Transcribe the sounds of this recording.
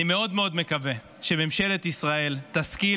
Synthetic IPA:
imeo̞d̪meo̞d̪me̞kave̞ | ʃememʃe̞let̪isʁae̞lt̪aski

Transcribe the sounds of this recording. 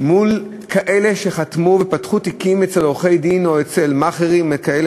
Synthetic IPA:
mul | kʰaʔe̞le̞ʃe̞χat̪muvepatχut̪ikimet͡seloχe̞jd̪ino̞et͡se̞lmaχeʁimekael

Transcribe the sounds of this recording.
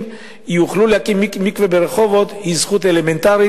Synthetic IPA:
juχlulehakimːikvebeɾeχovot̪hizχut̪element̪aʁi

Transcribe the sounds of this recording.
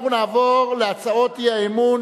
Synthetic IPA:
χunaːvoʁleat͡saotiaemun

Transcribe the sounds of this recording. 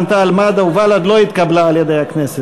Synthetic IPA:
nt̪aːlmad̪auvalad̪lo̞it̪kablaːljed̪ejhaknese

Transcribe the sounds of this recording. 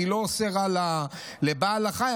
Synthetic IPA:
iloːseʁala | lebalaχa

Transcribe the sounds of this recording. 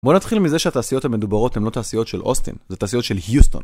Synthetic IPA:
bo̞nat̪χilmizeʃeataːsijo̞t̪hame̞d̪ubaʁo̞t̪he̞mlo̞t̪aːsijo̞t̪ʃelʔo̞̰st̪ḭnzet̪aːsijo̞t̪ʃe̞lhjust̪o̰n

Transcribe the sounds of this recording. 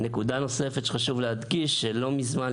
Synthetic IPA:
ne̞kud̪ano̞se̞fet̪χaʃuvlehad̪ɡiʃːelo̞mizman

